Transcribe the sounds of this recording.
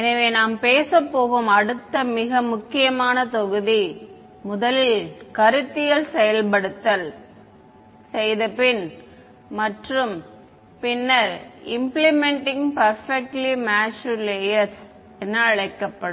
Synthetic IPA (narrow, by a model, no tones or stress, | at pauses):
ɛnɐʋeːnaːmpeːsɐpːoːɣɯmɐɽɯt̪ːɐmɪɣɐmʊkːɪjɐmaːnɐt̪ɔɣɯði | mʊðɐlɪlkɐɾɯt̪ːɪjɐlsɛjɐlpɐɽɯt̪ːɐl | sɛjðɐpɪn | mɐʈrɯm | pɪnːɐɾɪmplɪmɛɳʈɪ̃ŋɡpɐɾfɛk̚ʈlimaːʃɯleːjɐɾs | ɛnːɐɐɭɐɪkːɐpːɐɽɯm